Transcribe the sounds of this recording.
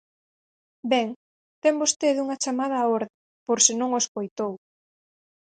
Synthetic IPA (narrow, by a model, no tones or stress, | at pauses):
bɛŋ | t̪ɛmbost̪eðuŋɐt͡ʃamað̞ɐːoɾðe | poɾsɪnõŋoskojt̪ow